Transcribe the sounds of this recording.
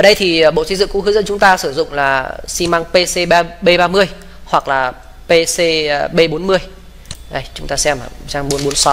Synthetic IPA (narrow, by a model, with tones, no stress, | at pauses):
ʔəː˧˩ɗə˧jt̪ʰi˨˩ɓo̰˧˨si˧˦zɨ̰˧˨ŋku˧˦hɨ˨˦zə̰˧˥nt͡ɕʊ˨˦ŋ͡mt̪aː˧sɨ˧˩zʊ̰˧˨ŋ͡mlaː˨˩si˧maː˧ŋpe˧se˧ɓaː˧ɓe˧ɓaː˧mɨ˧əj | hwa˨˩k̚laː˨˩ | pe˧se˧ɓe˧ɓo˨˦nmɨ˧əj | ʔə˧˩jt͡ɕʊ˨˦ŋ͡mt̪aː˧sɛ˧ma̰˨˩t͡ɕaː˧ŋɓo˨˦nɓo˨˦nsɔ˨˦w